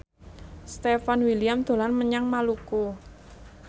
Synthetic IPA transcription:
st̪efanwiliamd̪̥o̤lanməɲaŋmaluko

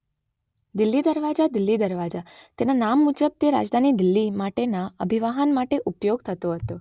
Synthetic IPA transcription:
d̪ɪlːid̪əɾʋad͡ʒad̪ɪlːid̪əɾʋad͡ʒat̪enanamːud͡ʒəb̚t̪eɾa̰d͡ʒd̪ʱanid̪ɪlːimaʈenaəbʱiʋaɦənmaʈeʔupjoɡ̚t̪ʰət̪oɦət̪o

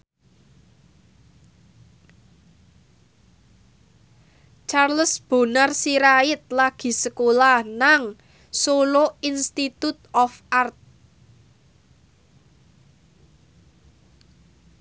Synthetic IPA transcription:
t͡ʃarləsb̥o̤narsiɾaɪt̪̚laɡ̥i̤səkolanaŋ | soloinst̪it̪ut̪ɔfart̪̚

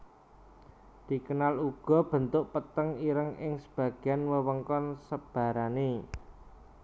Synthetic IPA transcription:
d̪̥i̤kənaluɡ̥ɔ̤b̥ə̤nt̪ʊʔpət̪əŋiɾəŋʔɪŋsəb̥ä̤ɡ̥eanwəwəŋkɔnsəb̥a̤ɾane

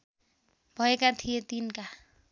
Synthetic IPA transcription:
bʱʌekat̪ʰijet̪inka

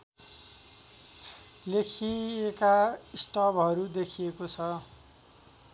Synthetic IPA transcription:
lekʰiekaisʈʌbʱɦʌɾud̪ekʰijekot͡sʰʌ

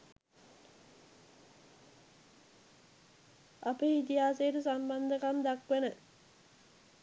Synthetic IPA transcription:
apəit̪iɦaːseɾusamband̪əkamd̪akʋenə

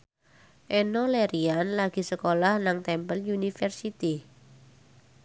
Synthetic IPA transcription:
ʔɛnɔleɾianlaɡ̥i̤səkolahnaŋt̪ɛmpəljunifɛrsit̪i

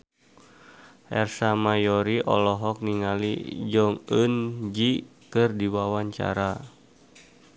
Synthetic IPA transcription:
ʔɛrsamajɔɾiʔɔ̰lɔɦɔk̚niŋalḭd͡ʒɔŋənd͡ʒikɨrdiwawaɲt͡ʃa̰ɾa

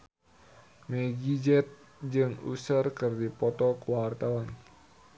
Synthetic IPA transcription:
mɛɡid͡ʒɛt̪̚ | d͡ʒɨŋṵsərkɨrdipɔt̪ɔkuwart̪awan

